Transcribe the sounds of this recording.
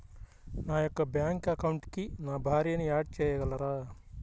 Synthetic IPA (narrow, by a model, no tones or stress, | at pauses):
naːjokːɐbjaːŋkɐkɐwuɳʈkinaːbʱaːɾijɐnijaːʈ̚t͡ʃejɐɡɐlːɐɾaː